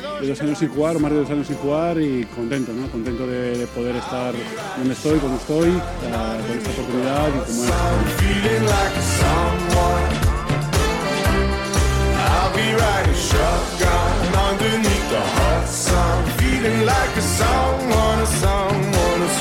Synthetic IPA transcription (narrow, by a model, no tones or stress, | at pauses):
d̪eðowsaɲosẽŋfuɣaɾomazðeðows̬ãnosẽŋfuɣaɾikõnt̪ẽnt̪onõŋkõnt̪ẽnt̪oðeðepoðeɾest̪aɾ | d̪õnest̪ojkõnoest̪oj | akõŋesaopoɾt̪uniðaðikomoɛõfilˠɪ̃ŋlaɪksʌ̃mwɔn | aɪlˠbiɹaɾiʃʌtɡ̥ɑnãndəniəhɑtsʌ̃filɪ̃ŋlaɪkəsʌmwɔnsʌmwɔn